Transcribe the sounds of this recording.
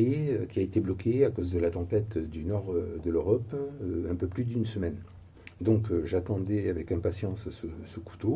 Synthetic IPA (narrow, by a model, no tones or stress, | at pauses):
jeøkʲiaet̪eblɔkʰeakozd̪əlat̪ɑ̃pɛt̪d̪ynɔʁd̪əløʁɔpøɛ̃pøplyd̪ynsəmɛn | d̪ɔ̃kʒat̪ɑ̃d̪ɛavɛkɛ̃pasjɑ̃ssəsəku̥t̪o